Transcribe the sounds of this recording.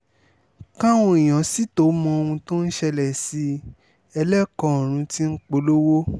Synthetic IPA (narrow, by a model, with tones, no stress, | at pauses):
kã˦w̃ɔ̃˧ĩ˨j̃ã˨si˦to˨˦mɔ̃˧o˧w̃ũ˧to˦n̩˦ʃɛ˧lɛ˨si˨˧ | ɛ˧lɛ˦kɔ̃˧˦˨ɾ̃ũ˧ti˦n̩˦k͡po˦lo˦wo˦